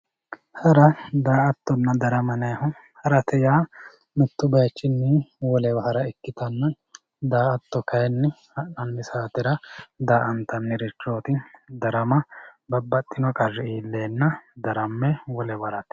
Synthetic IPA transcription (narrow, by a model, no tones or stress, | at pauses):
hɐɾɐd̪aːʔɐt̪ːɔnːɐd̪ɐɾɐmɐnɐhɔ | hɐɾɐt̪ɛjaː | mɪt̪ːʊbɐjɐt͡ʃːɪnːɪwɔlɛbɐhɐɾɐɛkːɪt̪ɐnːɐ | d̪aːɐt̪ːɔkɐjɛnːɛ | ɐʔɐnːɪsaːt̪ɪɾɐd̪aːʔɐnt̪ːɐnːɪɾɪt͡ʃːo̞ːt̪ɪd̪ɐɾɐmɐbɐbːɐt̪ʼːɪnɔkʼɐrːɛiːlːeːnːɐd̪ɐɾɐmːɛwɔlɛbɐɾɐt̪